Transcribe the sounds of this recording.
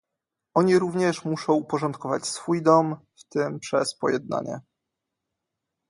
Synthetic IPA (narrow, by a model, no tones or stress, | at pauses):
ɔɲiɾuvɲɛʂmuʂɔ̃w̃upɔʐɔnt̪̚kɔva̰t͡ɕsfujd̪ɔmft̪ɘmpʂɛspɔ̰jɛd̪̚na̰ɲɛ̰